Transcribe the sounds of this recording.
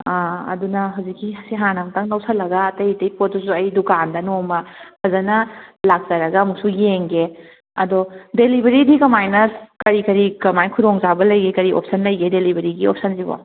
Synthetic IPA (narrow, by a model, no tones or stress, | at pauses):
aɐ̰dunɐɦɐwzikːisiɦanamtɐŋnɐwsɐlːɐɡɐːtɐjtɐjpot̚dusuɐjdukandɐnomɐpʰɐzɐnɐlak̚z̥ɐɾɐɡɐːmuk̚sujeŋɡe | ɐdɔdelibʱɐɾidikɐmajnɐskɐɾikɐɾikɐmajnkʰuɾoŋzabɐlɐjɡekɐɾiʔo̰p̚sɐnlɐjɡedelibʱɐɾiɡiop̚sɐnzibɔ̰